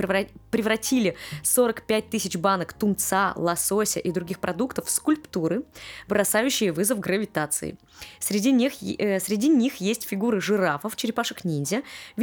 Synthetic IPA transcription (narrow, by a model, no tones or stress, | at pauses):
pɾʲɪvɾɐtʲilʲɪso̞ɾəkpʲæt̚ʲt̪ɨsʲɪt͡ɕbanəkt̪ʊmt̪salˠɐsosʲɪ̰ʔid̪ɾʊɡʲixpɾɐd̪ukt̪əfskʊlʲpt̪uɾɨbɾɐsajʉɕːɪjəvɨzəfɡɾəvʲɪt̪at̪sɨ̰ɪ̰ | sʲɾʲɪdʲiixsʲɾʲɪdʲinʲixjesʲtʲfʲɪɡuɾɨʐɨɾafəft͡ɕɪɾʲɪpaʂəknʲinʲzʲəvʲ